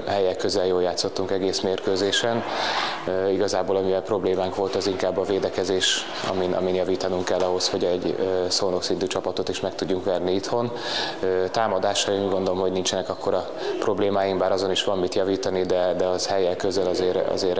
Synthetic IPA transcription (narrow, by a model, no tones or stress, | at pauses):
ɦɛjɛlkøzɛljoːljaːt̪sːo̞t̪ːuŋkɛɡeːsmeːrkøːzeːʃɛn | iɡɒzaːboːlɒmivɛlpro̞bleːmaːŋkʋo̞lt̪ɛziŋkaːbːɒveːd̪ɛkɛzeːʃ | ɒ̰minʔɒ̰minjɒviːt̪ɒnuŋkɛlːɒɦo̞sho̞ɟɛɟøsoːno̞ksint̪yːt͡ʃɒpɒt̪o̞t̪iʃmɛk̚t̪uɟːuŋkʋɛrniit̪ho̞n | øːt̪aːmɒd̪aːʃɒiŋɡo̞nd̪o̞lomɦo̞ɟnint͡ʃɛnɛkɒkːo̞ɾɒ | pro̞bleːmaːjiŋbaːɾɒzo̞niʃʋɒmːit̪jɒviːt̪ɒnid̪ɛd̪ɛɒzhɛjɛlkøzɛlɒzeːɾɒ̰zeːɾ